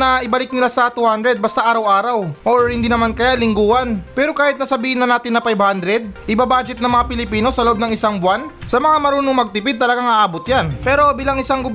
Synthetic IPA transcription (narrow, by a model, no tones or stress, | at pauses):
ɐʔɪbɐlɪk̚nɪlasɐt̪uhand̪ɾɛd̪̚bɐst̪aʔaːɾɐwʔaːɾɐwʔoɹhɪnd̪iːnɐmankɐjalɪŋɡuːhɐnpɛːɾo̞kaːhɪt̪nɐsɐbiːhɪnɐnaːt̪ɪnːɐfajbhand̪ɾɛd̪̚ʔɪbabaːd͡ʒɛt̪nɐŋmɐŋapɪlɪpiːno̞sɐloʔb̚nɐŋɪsaŋbʊwansɐmɐŋamɐɾuːnoŋmɐɡ̚t̪ɪpɪd̪̚t̪ɐlɐɡaŋʔaːʔaːbot̪janpɛːɾo̞biːlɐŋɪsaŋɡʊb